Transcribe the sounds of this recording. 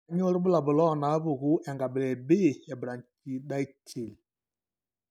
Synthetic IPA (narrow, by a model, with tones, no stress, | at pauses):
ɲo˦ɾbʊ˦la˨bʊ˨lɔ˦˨na˦βʊ˨ɣu˦ʔɛ˨ŋɡa˨bɪ˨lɛ˨be˦˨ɛ˨bɾa˨nt͡ʃi˨ɗa˦i˦t͡ʃe˨li˨